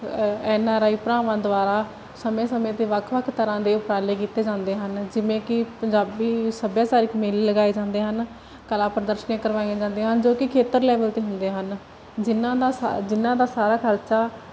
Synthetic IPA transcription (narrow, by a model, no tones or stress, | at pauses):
ɛːnaːɾaːiːpɾãːʋãːd̪ʊaːɾaː | səmẽːsəmẽːt̪eːʋəkʰʋəkʰt̪əɾãːd̪eːʊpɾaːleːkiːt̪eːd͡ʒãːnd̪eːɦənd͡ʒɪʋẽːkɪpəɲd͡ʒaːbiːsəbjãːt͡ʃaːɾiːkmelːəɡaːeːd͡ʒãːnd̪eːɦən | kəlãːpəɾəd̪əɾʃənẽːkəɾʋaːĩãːd͡ʒãːnd̪eːɦənd͡ʒoːkɪkʰeːt̪əɾlɛːʋəlt̪eːɦʊnd̪eːɦən | d͡ʒɪnãːd̪aːd͡ʒɪnːãːd̪aːsaːɾaːkʰəɾt͡ʃaː